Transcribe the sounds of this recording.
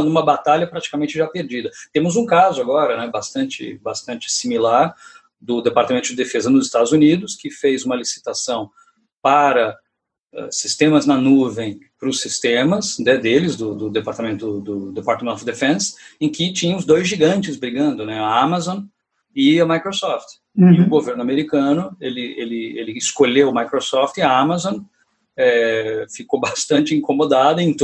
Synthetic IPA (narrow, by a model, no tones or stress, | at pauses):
d̪ʊũmɐbat̪aʎɐpɾat͡ʃi̥kamẽnt͡ʃɪʒapeɾd͡ʒid̪ɐt̪ẽmʊzũkazʊaɡɔɾɐnɛbast̪ɐ̃nt͡ʃɪ̰bast̪ɐ̃nt͡ʃɪ̥similaɾ | d̪ʊd̪epaɾt̪amẽnt̪ʊd͡ʒɪd̪efezɐnʊzɪst̪ad̪ʊzunid̪ʊskɪfejzũmɐlisi̥t̪asɐ̃w̃ | paɾɐ | ɛ̰sist̪ẽmɐznɐnuvẽj̃pɾʊsist̪ẽmɐsnɛd̪elɪzd̪ʊd̪ʊd̪epaɾt̪amẽnt̪ʊd̪ʊd̪epaɾt̪ɐmẽnt̪ofd̪efẽsẽkɪt͡ʃĩɲɐ̃ʊzd̪ojzʒiɡɐ̃nt͡ʃɪzbɾiɡɐ̃nd̪ʊnɛaamazõ | ɪɐmajkɾosɔft̪ | iʊɡoveɾnʊameɾikɐ̃nʊelɪḛlɪḛlɪːskoʎewmajkɾosɔft͡ʃ̪ɪɐamazõw̃ | ɛfikobast̪ɐ̃nt͡ʃɪĩŋkomod̪ad̪ɐẽt̪